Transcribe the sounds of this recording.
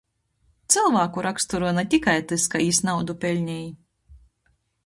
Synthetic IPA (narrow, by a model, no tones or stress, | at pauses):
t̪sɨlˠvaːkuɾakst̪uɾuɔnat̪ʲikajt̪ɨskaiːsnawd̪upʲɛlʲɲʲɛj